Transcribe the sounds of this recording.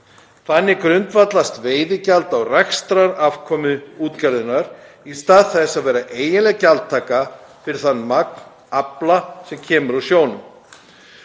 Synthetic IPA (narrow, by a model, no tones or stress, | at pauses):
θanːɪkɾʏnt̪vat̪last̪veːjðɪcalt̪awrɛxst̪ɾaɾafkʰɔmʏuːt̪calðʏnːaɾ̥ | ist̪aːðθɛsːaðvɛːɾaʔeːjɪnlɛcalt̪t̪ʰːaːka | fɪɾɪθanːmak̚n | aplasɛmcʰɛːmʏɾasjoːwnʏm